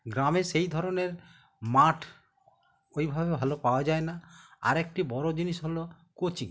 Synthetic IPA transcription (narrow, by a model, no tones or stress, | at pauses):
ɡɾamesejd̪ʱɔɾɔneɾ | maʈʰ | ojbʱabebʱalopaoad͡ʒaenaa̰ɾek̚ʈibɔɾod͡ʒinisɦolo | kot͡ʃiŋ